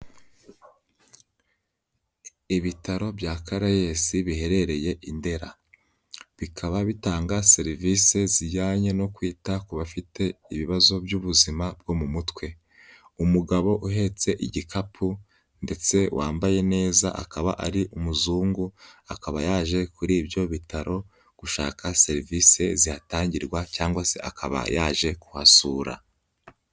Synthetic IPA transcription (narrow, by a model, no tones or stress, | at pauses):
iβitaɾo̞bjakaɾaje̞siβihe̞ɾe̞ɾe̞je̞ʔinde̞ɾa | βikʰaβaβitaːŋɡase̞ɾivise̞ziɟaːɲe̞no̞kwiːtakuβafitʰe̞iβiβazo̞bjuβuzimab̚ɡo̞mumutwe̞ | umuɡaβo̞ʔuɦe̞t͡se̞ʔiɟikʰapʰu | nde̞t͡se̞wʔaːmbaje̞ne̞ːzaʔakaβa̰ʔaɾiʔumuzuːŋɡuakaβa̰jaːʒe̞kuɾiːbjo̞βitaɾʔo̞ | ɡ̥uʃa̰ːkʰase̞ɾivise̞zihataːɲɟiɾɡwacaːŋɡwase̞ʔa̰kʰaβa̰jaːʒe̞ku̥hasuːɾa̰